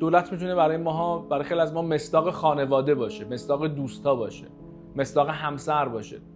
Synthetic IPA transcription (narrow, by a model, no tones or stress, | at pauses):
d̪oːlæt̪ʰmit̪ʰuneβæɾɒːjemɒːɦɒːbæɾɒːjexejliæzmɒːme̞sd̪ɒːɣexɒːne̞vɒːd̪e̞bɒːʃeme̞sd̪ɒːɣed̪uːst̪ʰɒːbɒːʃe̞̰ | me̞sd̪ɒːɣeɦæmsæɾbɒːʃe̞̰